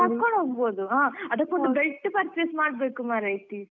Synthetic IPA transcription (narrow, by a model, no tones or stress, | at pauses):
ɐɾkːoɳɖoːɡboːd̪uaːɐd̪ɐkːɔɖɐbɾɐʈːɯpɐɾt͡ʃeːsmaːɽɐbeːkːumaːɾɐjʈ̪i